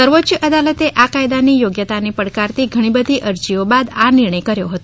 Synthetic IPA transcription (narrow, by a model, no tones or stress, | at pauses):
əɾʋotːt͡ʃəʔəd̪alət̪eʔakajd̪anijoɡjət̪anipəɽkaɾt̪iɡʱəɽ̃ibəd̪ʱiʔəɾd͡ʒiobad̪anɪɾɳəjkəɾjoɦət̪o